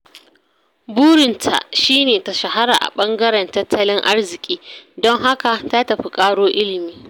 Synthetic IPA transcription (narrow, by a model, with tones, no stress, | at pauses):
buː˦ɽɪ˨ntʰa̰˨ʔʃiː˦neː˨ta˨ʃɐ˨ɦa˦ɽaː˨ʔa̰˨ɓɐ˦ŋɡɐ˦ɾɛ˨ntɐ˦tʰːɐ˦lɪ˦ŋʔa˦rzɪ˨kʲʼiː˦dɔ˦ŋɦa˦ka˨ta˦tɐ˨ɸi˦kʼaː˦ɽoː˦ʔɪ˦lɪ˨miː˦